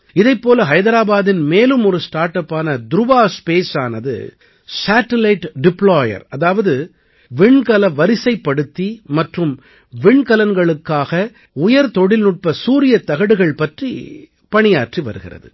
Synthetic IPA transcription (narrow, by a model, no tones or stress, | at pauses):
ɪðɐɪpːoːlɐɦɐɪðɐɾaːbaːðɪnmeːlɯmɔɾɯsʈaːɾʈɐpːaːnɐd̪ʊɾʊbaːspeːsaːnɐðɯ̰ | saːʈɐlɐɪʈɖɪpɭoːjɐ̰ɾɐðaːʋɐðɯ | ʋɪɳkɐlɐʋɐɾɪsɐɪpːɐɽɯt̪ːimɐʈrɯm | ʋɪɳkɐlɐnɡɐɭɯkːaːɣɐ | ʊjɐɾt̪ɔɽɪlnʊʈ̚pɐsuːɾɪjɐt̪ɐɣɐɽɯɣɐɭpɐʈri | pɐɳɪjaːʈriʋɐ̰ɾɯɣɪ̰rɐ̰ðɯ̰